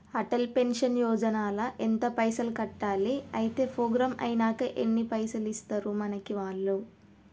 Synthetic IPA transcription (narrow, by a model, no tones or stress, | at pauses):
ɐʈɐlpe̞nʂɐnjɔːd͡ʒɐnaːlɐʔent̪ɐpɐjsɐlkɐʈːaːliɐjit̪e̞ːpʰoːɡɾɐmʔɐ̰jnaːkɐʔenːipɐjsɐlist̪ɐɾumɐnɐkiʋaːɭːu